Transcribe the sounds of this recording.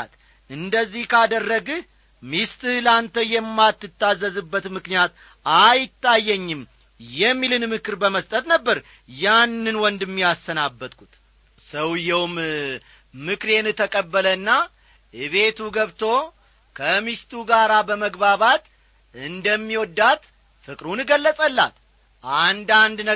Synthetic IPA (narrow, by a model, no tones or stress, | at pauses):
t̪ | ʔɨnd̪əzːihkʰad̪ərːəɡɨ | mist̪ʼɨhlant̪ʰəjɛmːat̪ːɨt̪ːazːəzɨbːət̪mɨknijat̪ | ajɪt̪ːajːɛɲːɪm | jɛmːilɨnmɨkɨɾbəməst̪ʼət̪nəbːəɾ | janːɨnwɔnd̪ɨmːiasːənabːət̪kʰut̪ | səwjɛwm | mɨkɾenɨt̪ʰəkʼəbːələnːa | ɨβe̞t̪ʰuɡəβt̪ʰo̞ | kʰəmist̪ʰuɡaɾabəməɡbaβat̪ | ɨnd̪əmːiwɔd̪ːat̪ | fɨkʼɾunɡəlːəsʼəlːa̰t̪ | ʔand̪and̪nə